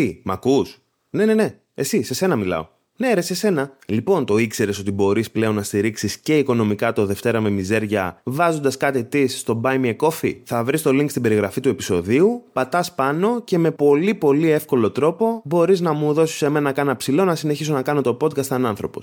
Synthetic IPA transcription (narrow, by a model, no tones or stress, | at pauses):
imɐ̰kus | ne̞ne̞ne̞ | e̞sise̞se̞nɐmilɐ̰o̞̰ | neeɾese̞se̞nɐlipo̞nt̪o̞ikse̞ɾe̞so̞t̪ibo̞ɾisple̞o̞nːɐst̪iɾiksisce̞iko̞no̞mikɐt̪o̞ðe̞ft̪e̞ɾɐme̞mize̞ɾʝɐ̰vɐzo̞nd̪ɐskɐt̪it̪isːt̪obɐjmieko̞fḭθɐvɾist̪o̞liŋkst̪ibe̞ɾiɣɾɐfit̪ue̞pi̥so̞ðiupɐt̪ɐspɐno̞ce̞me̞po̞lipo̞lie̞fko̞lo̞t̪ɾo̞po̞bo̞ɾiznɐmuðo̞si̥seme̞nɐɐkɐnɐpsilo̞nɐsine̞çiso̞nɐkɐno̞t̪o̞po̞d̪̚kɐst̪ɐnɐnθɾo̞po̞̰s